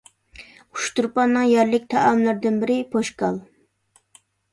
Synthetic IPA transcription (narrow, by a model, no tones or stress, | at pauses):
u̥ʃt̪uɾpɑnːɨŋjɛɾlɪk̚ʲt̪ʰɑʔɑmlˠɨɾd̪ɪnbɪɾɪpʰoʃkɑlˠ